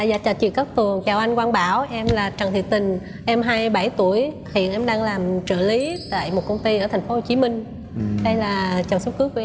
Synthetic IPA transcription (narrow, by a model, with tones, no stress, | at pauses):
a̰ː˧˨za̰ː˧˨˩t͡ɕaː˨˩t͡ɕwḭ˧˨əkə˦˥k̚t̪ɨ˨˩əŋt͡ɕaː˨˩wʔa˧jŋ̟kwaː˧nɓaː˧˩wʔɛ˧mlaː˨˩t͡ɕa˨˩ŋt̪ʰḭ˨ət̪ï˨˩ŋ̟ | ʔɛ˧mɦaː˧jɓa˧˩jt̪u˧˩əj | hḭ˧˨ənʔɛ˧mɗaː˧ŋlaː˨˩mt͡ɕɨ̰˧˨li˨˦t̪a̰ː˧˨jmo˨˩t̚kə˧wŋ͡mt̪i˧ʔəː˧˩t̪ʰŋ̟fo˨˦ho˨˩t͡ɕi˨˦mï˧ŋ̟ | ɗə˧jlaː˨˩t͡ɕə˨˩nsə˨˦˥w̚kɨ˨˦əkːu˧˩˦